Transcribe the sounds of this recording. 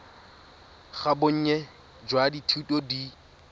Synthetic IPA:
χabʊɲ̩ɲɛ | d͡ʒwaditʰutʼodi

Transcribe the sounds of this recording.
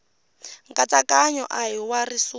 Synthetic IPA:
ŋkʼat͡sakʼaɲɔ̰ʔajiwarisu

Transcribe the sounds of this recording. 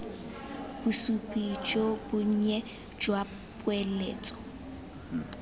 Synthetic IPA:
b̥usupʼid͡ʒobʊɲ̩ɲɛ | d͡ʒwa | pʼwɛlḛːt͡sʼɔ̥

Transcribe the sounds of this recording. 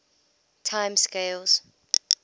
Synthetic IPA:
tʰãɪ̃mskeɪlz̥

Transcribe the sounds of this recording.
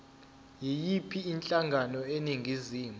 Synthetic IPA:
jɛjipʰiːnt͡ɬʼaŋʱanɔeniŋɡʱiziːmu

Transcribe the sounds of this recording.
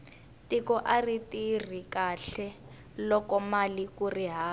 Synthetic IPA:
tikɔʔaritir̤ikaɬɛ | lɔkɔmalikuriɦaː

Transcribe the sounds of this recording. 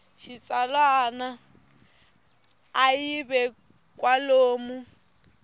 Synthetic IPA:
ʃit͡sʼalwana | iβɛ | kʼwaloːmu

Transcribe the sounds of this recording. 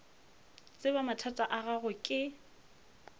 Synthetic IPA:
t͡sʼɪbamatʰatʼaʔaɣaɣʊkʼɪ

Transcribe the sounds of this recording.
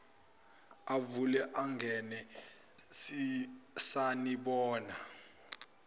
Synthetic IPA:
avulɛʔaŋɡɛnɛ | sisaniɓɔːna

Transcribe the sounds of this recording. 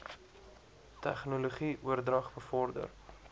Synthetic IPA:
tæ̰χnuloχiʔuərdrɐχbəfɔrdə̰r

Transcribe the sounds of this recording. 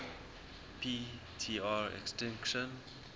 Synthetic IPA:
pʰi | tʰiːaɹɛ̰kstɛ̃ŋkʃə̃n

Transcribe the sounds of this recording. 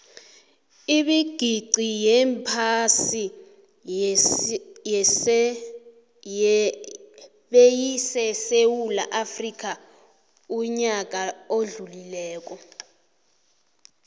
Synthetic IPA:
iɓiɡ̥ʱiǀijɛmpʰasi | ɓejisɛsewulaʔafrik̬ʼa | uɲak̬ʼaoɮulilɛːk̬ɔ

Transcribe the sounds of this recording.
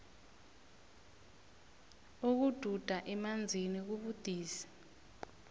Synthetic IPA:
uk̬ud̥ʱud̥ʱaʔɛmand͡zʱinik̬uɓud̥ʱiːsi̥

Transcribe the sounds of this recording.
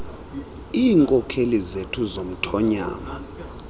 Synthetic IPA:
iːŋkʼɔkʰelizetʰuzom̩tʰɔɲa̰ːma

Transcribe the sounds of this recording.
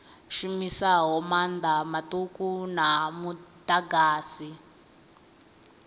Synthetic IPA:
ʃumisaɦɔmand̪amatukunamutʼaɡaːsi

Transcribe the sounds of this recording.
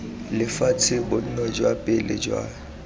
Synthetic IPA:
lɪfat͡sʰɪbʊn̩nɔd͡ʒwapʼɪlɪd͡ʒwa̰

